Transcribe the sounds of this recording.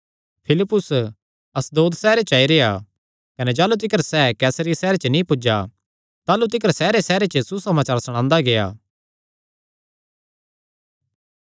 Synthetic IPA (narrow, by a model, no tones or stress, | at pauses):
pʰɪlɪpːʊs | ɐsd̪oːd̪sɛːɾet͡ʃaːiɾea | kɐned͡ʒaːlut̪̬ɪkəɾsɛːkɛːsɾijsɛːɾet͡ʃənĩpʊd͡ʒa | t̪aːlut̪̬ɪkəɾsɛːɾesɛːɾet͡ʃəsusɐmaːt͡ʃaːɾsɐɽ̃ãːnd̪aɡea̰ː